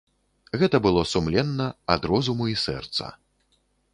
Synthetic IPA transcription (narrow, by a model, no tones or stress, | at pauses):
ɣɛt̪ɐbɨlˠɔsumlʲɛnːɐad̪ɾɔzumuisɛ̰rt̪sɐ̰